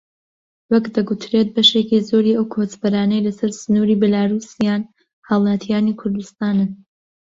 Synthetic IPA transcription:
wɐkd̪ɐɡut̪ʰɾeːt̪̚bɐʃe̞kizoːɾiːɐwkʰoːt͡ʃbɐɾaːnɐjlɐsɐɾsɨnuːɾiːbɛlaːɾuːsijaːn | hɑwlˠɑt̪ʰijaːnikʰʊɾd̪ust̪aːnɨ

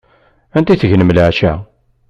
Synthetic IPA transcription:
ænt̪iθəʝnəmlʕʃæ

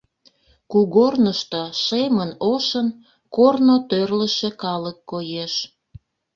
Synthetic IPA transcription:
kuɣornəʃt̪oʃemənoʃən | kornot̪ørləʃekɑləkːojeʃ

